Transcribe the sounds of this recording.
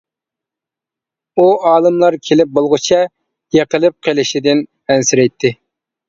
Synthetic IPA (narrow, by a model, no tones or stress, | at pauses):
uɑːlˠɨmlˠɑɾkʲʰelɪp̚bolˠʁʊt͡ʃʰɛ | jeqʰəlˠɨp̚qʰəlˠɪʃid̪ɪn | ɛnsɪɾɛjt̪ʰːɪ